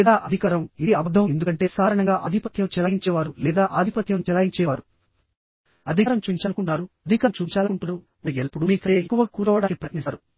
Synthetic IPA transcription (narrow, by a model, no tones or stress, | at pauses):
ɛːd̪aːʔɐd̪ʱikaːɾɐmid̪iɐbɐd̪ʱːɐʋɐend̪ukɐɳʈe̞ːsaːɾɐɳɐŋɡaːʔɐd̪ʱipɐt̪jɐmt͡ʃɛlaːɡiɲt͡ʃɛːʋaːɾulɛːd̪aːʔaːd̪ʱipɐt̪jɐmt͡ʃɛlaːjiɲt͡ʃɛːʋaːɾu | ɐd̪ʱiɾɐmt͡ʃuːiɲt͡ʃaːnukuɳːaːɾuɐd̪ʱikaːmt͡ʃuːɲt͡ʃaːlɐuɳʈunu | miɡelpuɽumiːkɐeːekːuʋɐkuːɾɐʋɐɽaːkipɾɐtnisaːɾu